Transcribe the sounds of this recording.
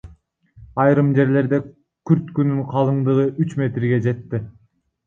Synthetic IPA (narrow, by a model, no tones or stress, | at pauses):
ɑjɾɯmd͡ʒe̞ɾle̞ɾd̪e | kʲʰyɾt̪kynyŋqʰɑlˠɯɴd̪ɯʁɯʔyt͡ʃme̞t̪ɾɡe̞d͡ʒe̞t̪ːɪ